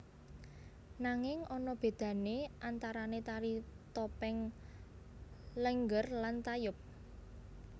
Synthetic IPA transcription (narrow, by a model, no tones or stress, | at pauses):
naŋɪŋʔɔnɔb̥e̤d̪̥ä̤neʔant̪aɾanet̪aɾit̪ɔpɛŋ | ləŋɡərlant̪ajʊp̚